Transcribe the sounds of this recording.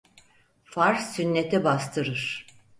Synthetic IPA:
faɾssynːet̪ʰibast̪ʰɯɾɯɾ̥

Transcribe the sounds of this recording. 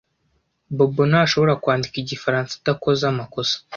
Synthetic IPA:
bobonaʃo̞βo̞ɾakwaːndikiɟifaɾaːnsḁtako̞zamako̞sḁ

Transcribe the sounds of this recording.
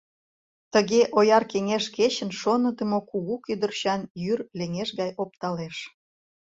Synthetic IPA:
t̪əɣeʔojɑrkeŋeʃket͡ɕə̆nʃonə̆d̪ə̆mokuɣukyd̪ə̆rɕɑnjyrleŋeʃɣɑjop̚t̪ɑleʃ

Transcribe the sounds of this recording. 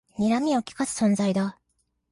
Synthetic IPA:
ɲʲiɾamʲio̞kʲi̥kasɨ̥sõ̞nzaid̪a

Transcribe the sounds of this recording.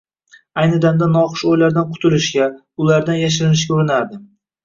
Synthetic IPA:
ajnɪd̪amd̪anɒqɨ̥ʃojlaɾd̪anqʰʊ̥t̪ʰɪlɪʃɡʲa | ʊlaɾd̪anjaʃ̬ɪɾɪnɪʃ̬kʲuɾɪnaɾd̪ɪ

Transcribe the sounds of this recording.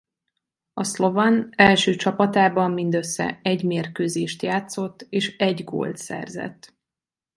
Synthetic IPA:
ɒslovɒnɛlʃøːt͡ʃɒpɒt̪aːbɒmːind̪øsːɛ̰ɛɟmeːrkøːzeːʃt̪jaːt̪so̞t̪ːeːʃɛɟɡo̰ːlt̪sɛ̰rzɛ̰t̪ː

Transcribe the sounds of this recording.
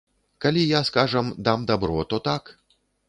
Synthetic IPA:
kalʲijaskaʐɐmd̪amd̪abɾɔt̪ɔt̪ak

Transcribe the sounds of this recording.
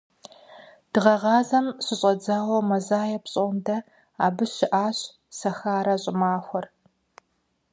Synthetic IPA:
d̥ɨʁɐʁɑːzɐmɕɪɕʼɐd͡zaːwɐmɐzaːjɐpɕʼondɐ | a̰ːbɨɕɪʔaːɕ | sɐxaːɾɐɕʼɪmaːxʷɔr

